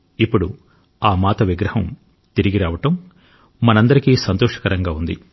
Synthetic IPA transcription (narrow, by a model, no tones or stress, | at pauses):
ipːuɽu | aːmaːt̪ɐʋiɡɾɐhɐm | t̪iɾiɡiɾaːʋɐʈɐm | mɐnɐnd̪ɐɾikiːsɐnt̪ɔːʂɐ̥kɐɾɐŋɡaːund̪ḭ